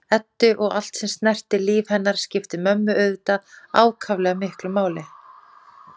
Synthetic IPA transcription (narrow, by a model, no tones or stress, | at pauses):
ɛt̪ːʏʔɔɣa̰l̥t̪sɛmst̪nɛr̥t̪ɪliːvhɛnːaɾ̥scɪft̪ɪmœmːʏœðt̪aaːwkʰavlɛɣamɪhklʏmaːwlɪ